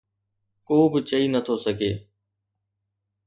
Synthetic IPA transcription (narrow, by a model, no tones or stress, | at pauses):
koːbɪt͡ʃəiːnət̪ʰoːsəɡʱeː